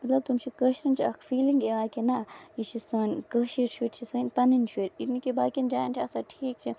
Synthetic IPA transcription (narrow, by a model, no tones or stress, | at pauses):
mɐt̪lɐb̚t̪umt͡ʃʰikəʃɾɐnt͡ʃʰiɐkʰfiːliŋɡeʋaːkinait͡ʃʰisɐːnkəːʃiɾt͡ʃʰueɾt͡ʃʰisɐinpɐnint͡ʃʰueɾinikebaːkʲind͡ʒaːnt͡ʃʰiɐsaʈʰiːk̚t͡ʃʰi